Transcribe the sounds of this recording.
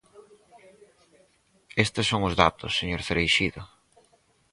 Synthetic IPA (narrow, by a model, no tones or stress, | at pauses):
est̪ɪsːoŋʊzðat̪ʊsːeɲoɾθeɾejʃiðʊ